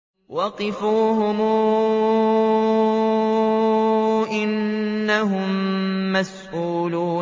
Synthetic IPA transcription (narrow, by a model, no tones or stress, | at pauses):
wɑqɨfuːɦʊmuː | ʔɪnːaɦʊmːasʔuːluː